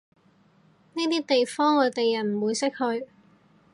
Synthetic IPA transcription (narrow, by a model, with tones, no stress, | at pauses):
ni˥t̪iː˥t̪e˨jfɔː˥ŋɔː˨˧t̪e˨jɐ˨˩nm̩˨˩wuː˨˧jsɪ˥k̚hɵ˧ɥ